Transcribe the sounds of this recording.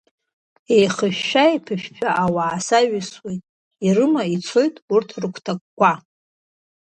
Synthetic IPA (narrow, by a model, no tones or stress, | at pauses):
ejχəʃᶣːaipʰɨʃᶣpʰᶣaʔawaːsaɥɪswejtʼ | irɨmait͡sʰo̞jtʼurtʰrɨkʷʰtʰakʼːʷa